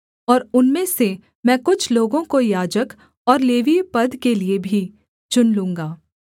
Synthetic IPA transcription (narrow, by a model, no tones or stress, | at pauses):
ɔːɾʊnmẽse | mɛ̃ːkʊt͡ʃʰloːɡõkojaːd͡ʒək | ɔːɾleːʋipɐd̪keliebʱi | t͡ʃʊnlũːŋɡaː